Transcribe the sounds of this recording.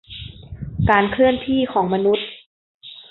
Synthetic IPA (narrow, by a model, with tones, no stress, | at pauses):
kaː˧nkʰɯ˥˩ənt̪ʰiː˥˩kʰɔː˩˦ŋma˧nu˦˥t̪̚